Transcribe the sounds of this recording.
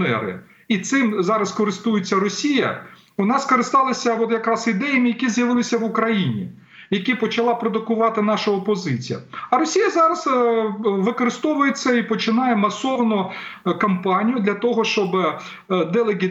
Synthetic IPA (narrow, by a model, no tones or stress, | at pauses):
nɛ̰ɾɪ̰ | it̪sɪmzɑɾɐskɔɾɪst̪ujʊt͡sʲːɐɾɔsʲijɐ̰ | ʋɔnɑskɔɾɪst̪ɑlˠɐsʲɐɔt̪jɐkɾɑsɪd̪ɛjɐmʲijɐkʲizjɐʋɪlˠɪsʲɐʋʊkɾɐjinʲḭ | jɐkʲipɔt͡ʃɐlˠɑpɾɔd̪ʊkʊʋɑt̪ɪn̪ɑʃɐɔpɔzɪt͡sʲijɐ̰ɐɾɔsʲijɐzɑɾɐz | ʋɪkɔɾɪst̪ɔʋʊjesʲɛipɔt͡ʃɪnɑjɛmɐsɔʋnʊkɐmpɑnʲijʊd̪lʲɐt̪ɔɦɔʃt͡ʃɔb | d̪ɛlˠeɡʲi